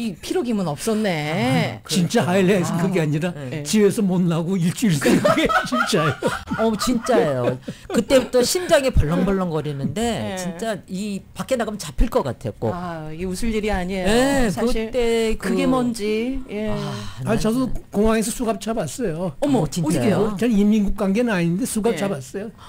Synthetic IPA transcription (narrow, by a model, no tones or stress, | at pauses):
ipʰiɾoɡimɯnʌp̚s͈ʌnːe̞t͡ɕint͡ɕ͈aɦailːeaisʰɯnkɯɡeaɲiɾat͡ɕiwe̞sʰʌmʌnːaɡoiɭt͡ɕ͈ʰuiɭs͈ɯɡet͡ɕint͡ɕ͈ajoʌt͡ɕint͡ɕ͈ajokɯt͈e̞butʰʌɕʰind͡ʑaŋepʌɭːʌŋbʌɭːʌŋɡʌɾinɯnde̞t͡ɕint͡ɕ͈aipak͈enaɡɯmt͡ɕapʰiɭk͈ʌk͈atʰek͈o̰iɡeusʰuɭd͡ʑiɾiaɲiesʰaɯitt͈e̞kɯɡemʌnd͡ʑieaat͡ɕadukoŋwaŋesʰʌsʰuɡap̚t͡ɕ͈abas͈ʌjot͡ɕit͡ɕanimːiŋɡuk̚k͈waŋɡenɯnaɲinɯnde̞sʰuɡap̚t͡ɕ͈abas͈ʌjo